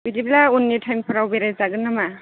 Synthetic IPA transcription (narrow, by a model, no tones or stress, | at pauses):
bidiblaunːitʰajmpʰaɾawbeɾajzaɡɯnːama